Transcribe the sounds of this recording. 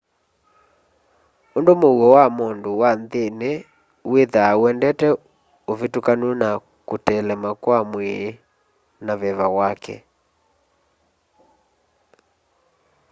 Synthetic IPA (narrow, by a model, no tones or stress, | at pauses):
ondomoɣɔwamondowanðene | weðawɛndɛtɛ | ovetukanwɛna | kotɛlɛmakwamwe | naβɛβawakɛ̰